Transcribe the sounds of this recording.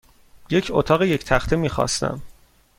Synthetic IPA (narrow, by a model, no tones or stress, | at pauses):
je̞cʰot̪ʰɒːɣeje̞cʰt̪ʰæxt̪ʰemiːxɒ̰ːst̪ʰæ̰m